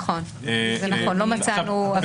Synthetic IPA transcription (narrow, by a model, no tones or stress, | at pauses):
χo̞n | zenaχo̞nlo̞mat͡sanua